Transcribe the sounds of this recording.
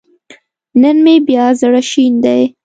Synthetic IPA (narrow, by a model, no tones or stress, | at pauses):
nənmebjɑzəɽaʃind̪aj